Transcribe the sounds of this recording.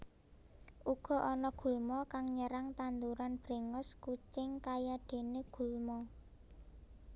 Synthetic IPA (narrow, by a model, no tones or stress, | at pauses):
ʔuɡ̥ɔ̤ʔɔnɔɡ̥ṳlmɔkaŋɲəɾaŋt̪and̪uɾanb̥ɾe̤ŋɔskut͡ʃɪŋkajaɖ̥e̤neɡ̥ṳlmɔ